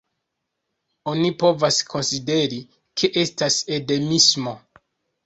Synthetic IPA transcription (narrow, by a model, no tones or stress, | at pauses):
o̞nipo̞vaskʰo̞nside̞ɾi | kʰe̞ʔestase̞de̞mismo̞